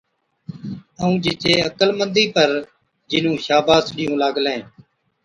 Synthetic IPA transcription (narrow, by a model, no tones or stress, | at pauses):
əũːd͡ʒɪt͡ʃeːəkəlmənd̪iːpəɾ | d͡ʒɪnũːʃaːbaːsɗɪjõːlaːɡlẽː